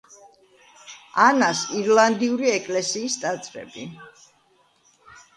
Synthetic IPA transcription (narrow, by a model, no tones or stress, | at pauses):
anasiɾland̪iuɾiɛkʼlɛsiːst̪ʼat̪sʼɾɛ̰bi